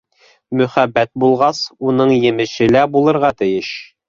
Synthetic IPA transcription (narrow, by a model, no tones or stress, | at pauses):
mɵ̆χæbːæt̪̚bulˠʁɑsunɤɴjɘ̆mɘ̆ʃɘlæbulˠɤ̆ɾʁɑt̪ɘ̆jɘʃ